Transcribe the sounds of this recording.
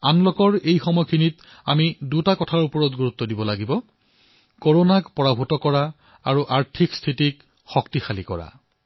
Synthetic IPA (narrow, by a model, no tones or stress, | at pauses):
anlɔkɔɹejxɔmɔjkʰinit | amidutakɔtʰaɹupɔɹɔtɡuɹut̪ːɔdibɔlaɡibɔ | koɹonakpɔɹabʱutɔkɔɹa | aɹuʔaɹtʰikstʰitik | xɔktixalikɔ̰ɹa̰